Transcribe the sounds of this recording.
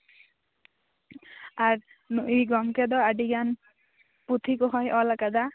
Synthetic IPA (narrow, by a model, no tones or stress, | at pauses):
aɾ | nuʔiɡɔmkɛd̪ɔaɖiɡan | put̪ʰikɔɦɔjʔɔlakad̪a